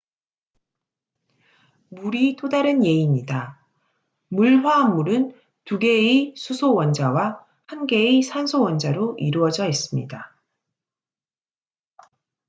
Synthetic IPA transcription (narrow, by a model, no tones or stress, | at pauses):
muɾit͈odaɾɯnje̞iɲida | muɭɸwaːmːuɾɯn | tuɡe̞isʰusʰowʌnd͡ʑawa | hanɡe̞isʰansʰowʌnd͡ʑaɾoʔiɾuʌd͡ʑʌɦes͈ɯmɲḭda